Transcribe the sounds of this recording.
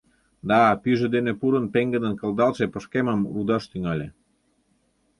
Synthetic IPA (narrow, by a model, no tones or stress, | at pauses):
d̪ɑpyʒĕd̪enepuɾə̆npeŋɡə̆d̪ə̆nkəld̪ɑlt͡ʃepəʃkeməmrud̪ɑʃt̪yŋɑlʲe